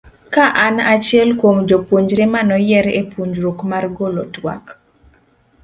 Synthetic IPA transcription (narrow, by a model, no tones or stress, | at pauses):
kaʔanat͡ʃjɛlkwomd͡ʒopuɲd͡ʒɾemanɔjɛɾepuɲd͡ʒɾokmarɡolotwa̰k